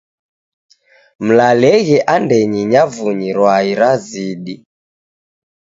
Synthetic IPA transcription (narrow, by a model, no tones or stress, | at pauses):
m̩lalɛɣɛʔandɛɲiɲavuɲiɾwaiɾaziɗi